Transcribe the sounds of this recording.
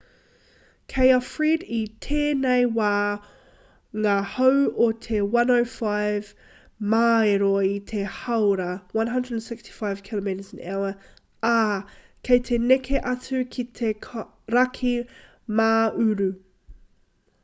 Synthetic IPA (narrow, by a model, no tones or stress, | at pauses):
kʰɛɪɐfɹiditʰeːneɪwaː | ŋahowotʰewɐnoʊfaɪv | maeɾoit̪ʰehɐwɾɐwɐ̃nɦɐ̃ndɹədnsɪkstʰi̥faɪv̥kʰilomitəzɪ̃nɛ̰lə | aː | kʰejt̪ʰenɛkʰeʔɐtʰʉkʰitʰekʰ | ɾɐkʰi | maːʉɾʉ